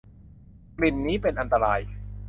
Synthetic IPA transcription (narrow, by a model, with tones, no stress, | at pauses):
kli˨˩nːiː˦˥pe˧nʔa˧nt̪a˧ɾaː˧j